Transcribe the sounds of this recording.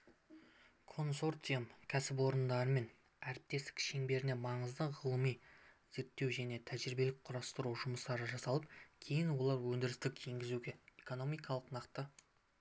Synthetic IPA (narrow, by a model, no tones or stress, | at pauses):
kʰo̞nso̞rt̪ijəmkʲʰæsɪp̬wo̞ɾənd̪ɑɾəme̞n | æɾɪp̚t̪e̞st̪ɪ̥kʲʃeŋbe̞ɾɪne̞mɑɴəzd̪əʁəlˠəmijze̞ɾt̪ːe̞wʒæne̞t̪ʰæʒɾɪbe̞lɪk̚qʰʊɾɑst̪əɾuʒʊməst̪ɑɾəʒɑsɑlˠəp̚kʲʰe̞jɪnwo̞lˠɑɾwɵnd̪ɪɾɪst̪ɪkʲʰe̞ŋɡʲɪzuɡʲe̞eko̞no̞mijkɑlˠəqnɑqt̪ə